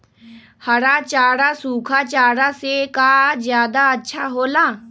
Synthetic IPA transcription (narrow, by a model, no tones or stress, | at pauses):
hɐɾat͡ʃaːɽasuːkʰat͡ʃaːɽasekaːzjaːd̪aɐtːʃʰaɦoːlaː